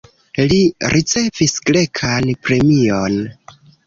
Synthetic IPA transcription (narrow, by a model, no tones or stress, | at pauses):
liɾʔit͡se̞visɡle̞kʰanpɾe̞mion